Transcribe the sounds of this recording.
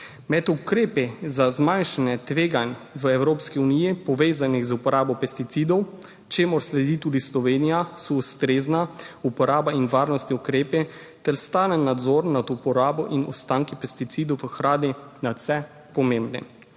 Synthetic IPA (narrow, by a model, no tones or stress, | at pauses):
mɛt̪ukɾeːpɛzazmajnʃanɛt̪ʋeːɡanʋəɛwɾoːpskiunijipɔʋeːzanixzupɔɾʔaːbɔpɛst̪it̪sid̪ɔw | t͡ʃeːmɔɾslɛd̪iːt̪ud̪islɔʋeːnijasɔust̪ɾeːznaupɔɾaːbainʋaːɾnɔst̪niukɾeːpɛ | t̪ɛɾst̪aːnɛnːad̪zɔːɾnat̪upɔɾaːbɔʔinṵst̪aːŋkipɛst̪it̪siːd̪ɔwʋəxɾaːd̪inasɛ | pɔmembnɛ̰